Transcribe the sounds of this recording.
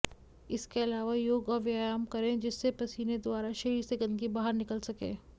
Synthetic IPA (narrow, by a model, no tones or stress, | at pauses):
ɪskeɐlaːʋajoːɡɔɾʋjaːjaːmkɐɾẽd͡ʒɪsːepɐsiːned̪ʊaːɾaʃɐiseɡɐ̃nd̪kibaːɦəɾnɪkəlsɐkḛ̃ː